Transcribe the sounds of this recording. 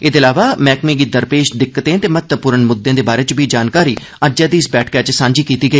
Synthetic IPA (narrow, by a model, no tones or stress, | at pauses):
ɪd̪eːlaːʋaːmɛːkmiːɡid̪əɾpeːʃd̪ɪkːət̪ẽːt̪eːmət̪əpuːɾənmʊd̪ːẽːd̪eːbaːɾeːt͡ʃbiːd͡ʒaːnkaːɾiː | əd͡ʒãːd̪iːɪsbɛːʈʰkɛːt͡ʃsãːɲd͡ʒiːkiːt̪iːɡəiː